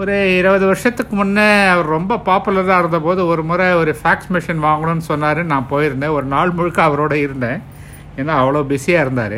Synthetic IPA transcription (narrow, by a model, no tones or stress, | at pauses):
ɔɾɯɪɾɐʋɐðɯʋɐɾɪʂɐt̪ːɯkːɯmʊnːɐɐʋɐɾɾɔmbɐpaːpɯlɐɾãːɪɾɯnd̪ɐpoːðɯɔɾɯmʊːɾɐɔɾɯfaːksmɪʂɐnʋaːŋɡɐɳõnːɯsɔnːaːɾɯnãːpoːjɪɾɯnd̪ẽɔɾɯnaːɭmʊɻɯkːɐːɐʋɐɾoːɽɐɪɾɯnd̪ẽː | ɛnːãːɐʋːɐɭɐbɪsijaːɪɾɯnd̪a̰ːɾɯ̰